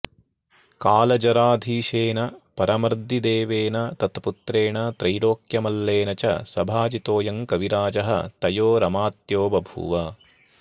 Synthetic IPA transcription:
kaːlɐd͡ʒɐɾaːd̪ʱiːʃeːnɐpɐɾɐmɾd̪ːid̪eːʋeːnɐt̪ɐt̪put̪ɾeːɳɐt̪ɾɐjɽoːkjɐmɐlːeːnɐt͡ʃɐ̰sɐbʱaːd͡ʒit̪oːjɐŋkɐʋiɾaːd͡ʒɐɦɐ̰t̪ɐjoːɾɐmaːt̪joːbɐbʱṵʋɐ

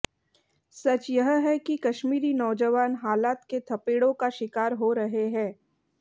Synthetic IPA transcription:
sɐt͡ʃjɐɦɦɛkikɐʃmiːɾinɔːd͡ʒəʋaːnɦaːlaːt̪ket̪ʰɐpeːɽõkaʃɪkaːɾɦoɾɐɦeɦɛ̃ː

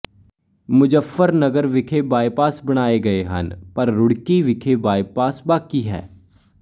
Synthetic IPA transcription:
mʊd͡ʒəfːəɾnɐɡəɾʋɪkʰebaːjpaːsbɐɽ̃aːeɡɐeɦɐ̰npɐɾːʊɽkiʋɪkʰebaːjpaːsbaːkiɦɛ̰ː

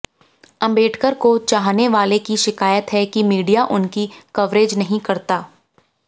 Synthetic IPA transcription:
ɐ̃mbeːʈʰkəɾkot͡ʃaːɦneʋaːlekiʃɪkaːjət̪ɦɛkimiːɖijaʔʊnkikɐʋɾeːd͡ʒnɐɦĩkɐɾt̪aː

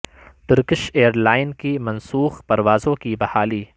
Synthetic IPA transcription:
ʈ̪ɪɾkɪʃeːəɾlaːɪnkimɐnsuːxpɐɾʋaːzõkibɐhaːliː

